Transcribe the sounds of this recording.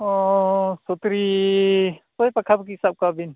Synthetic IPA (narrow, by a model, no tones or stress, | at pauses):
ɔsot̪ɾi | tojpakʰabuk̬isap̚kabin